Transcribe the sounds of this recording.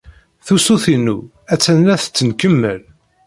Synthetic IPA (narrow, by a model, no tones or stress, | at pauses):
θusuθinu | æt͡sːænːæθt͡sːənkəmːə̰l